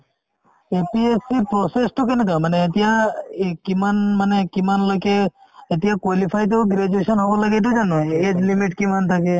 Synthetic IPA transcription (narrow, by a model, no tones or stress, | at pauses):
epiesipɾɔsesʈ̪okenet̪amaneet̪ijakimanmanekimanləkeet̪ijãkwalipʰajt̪̬oɡɾed͡ʒuesɔnɦɔbɔlaɡet̪̬od͡ʒanoed͡ʒlimiʈkimant̪ʰake